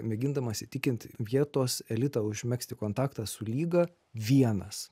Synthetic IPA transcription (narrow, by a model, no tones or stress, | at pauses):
mʲɛɡʲɪnd̪ɐmɐsʲɪt̪ʲɪkʲɪnt̪ʲʋʲiɛt̪oːsɛlʲɪt̪ɑʊʒʲmʲɛksʲt̪ʲɪkoːnt̪ɑːkt̪ɑsʊlʲiːɡɐ | ʋʲiɛnɐs